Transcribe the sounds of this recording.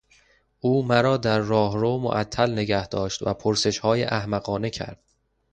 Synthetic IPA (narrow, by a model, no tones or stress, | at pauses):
ʔuːmæɾɒːd̪æɾːɒːɦɾoːmo̰ʔæt̪ʰːælne̞ɡæhd̪ɒːʃt̪væpʰoɾse̞ʃhɒːjḛʔæhmæɣɒːne̞cʰæ̰ɾd̪̥̚